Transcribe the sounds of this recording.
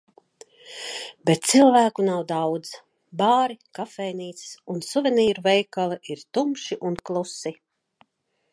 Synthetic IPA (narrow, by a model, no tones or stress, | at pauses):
bɛt̪̚t̪silˠvæːkunawd̪awd̪z | baːɾikafɛjniːt̪si̥sunsuvʲɛniːɾuvɛjkaliʔiɾt̪umʃiʔunklˠusi